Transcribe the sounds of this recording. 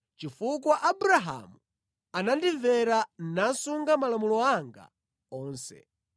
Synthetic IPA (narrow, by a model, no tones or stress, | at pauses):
t͡ʃifukwaʔabuɾaɦa̰mu | anandivɛɾan̩nansuŋɡamalamulɔaŋɡa̰ | ɔːnsɛ̰